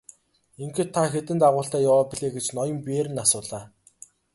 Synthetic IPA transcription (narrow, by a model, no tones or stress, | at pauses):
iŋxĕt̪ʰːaxet̪ɘ̆nt̪aʁʊːɬt̪æːjawaːpiɮeːɡet͡ɕnɔjɞ̆mpeːɾɘ̆nasʊːɮaː